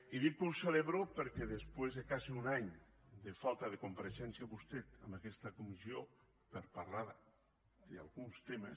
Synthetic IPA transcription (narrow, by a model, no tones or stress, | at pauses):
iðikulseleβɾopeɾkɛðespwezðekaziunaɲ | d̪efalˠt̪ɐðekumpaɾeʃɛnsjaβust̪ɛt̪ə̰mbakɛst̪ɐkumizio | peɾpaɾlaɾ | d̪̥ea̰lˠɣunst̪emə̰s